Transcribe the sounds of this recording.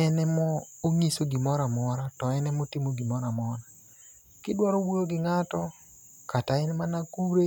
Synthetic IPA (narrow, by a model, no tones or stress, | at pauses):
ɛnɛmɔoŋisoɡɪmɔɾamɔɾatɔɛnɛmotimoɡɪmɔɾamɔɾa | kɪdwaɾowojoɡɪŋatɔ | kataɪnmanakuɾe